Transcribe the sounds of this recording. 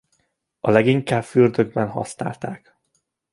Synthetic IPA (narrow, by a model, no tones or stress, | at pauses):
ɒlɛɡiŋkaːbfyrd̪ø̞ɡbɛnɦɒ̰sna̰ːlt̪aːk